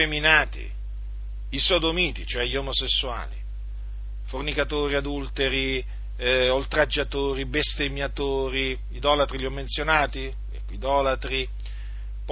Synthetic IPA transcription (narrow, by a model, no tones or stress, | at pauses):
eminaːt̪ḭː | sod̪omiːt̪it͡ʃoɛʎːiɔmosesːua̰ːlḭ | fornikat̪oːɾiad̪ult̪eɾi | olt̪ɾad͡ʒːat̪oːɾibest̪emjat̪oːɾiː | d̪ɔːlat̪ɾiliɔmːensjonaːt̪i | ɛ̰kːid̪ɔːlat̪ɾi | p